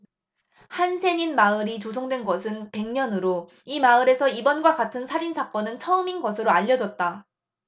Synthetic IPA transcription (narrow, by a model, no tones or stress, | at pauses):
hansʰeɲinmaɯɾit͡ɕosʰʌŋdwe̞nɡʌsʰɯnpe̞ŋɲʌnɯɾo | imaɯɾe̞sʰʌibʌnɡwakatʰɯnsʰaɾinsʰak͈ʌnɯnt͡ɕʰʌɯminɡʌsʰɯɾoaʎːʌd͡ʑʌt̚t͈a